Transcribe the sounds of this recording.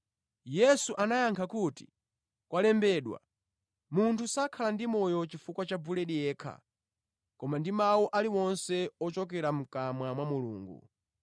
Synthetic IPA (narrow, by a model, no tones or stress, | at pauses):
jɛsuʔanajaŋkʰakuti̥̰ | kwalɛmbɛɗwa̰ | muntʰusakʰalandimɔjɔt͡ʃifukwat͡ʃavulɛɗijɛːkʰa̰ | kɔmandimawɔʔaliwɔnsɛɔt͡ʃɔkɛɾam̩kamwamwamulṵːŋɡṵ